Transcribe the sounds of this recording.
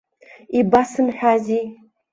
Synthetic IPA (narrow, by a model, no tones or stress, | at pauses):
ibasɨnħʷᶣazi